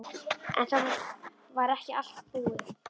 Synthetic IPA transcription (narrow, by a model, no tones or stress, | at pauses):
ɛ̰nθan | vaɾɛhcɪal̥t̪pɪɣðɪ